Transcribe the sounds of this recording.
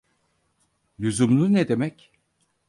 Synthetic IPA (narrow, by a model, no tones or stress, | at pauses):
lʲyzumlˠunɛd̪e̞mɛc